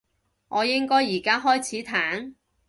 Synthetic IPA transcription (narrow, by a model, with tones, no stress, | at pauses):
ŋʔɔː˨˧jɪ˥ŋkɔː˥jːiː˨˩kaː˥ɦɔː˥jt͡sʰiː˨˥t̪ʰaː˨˥n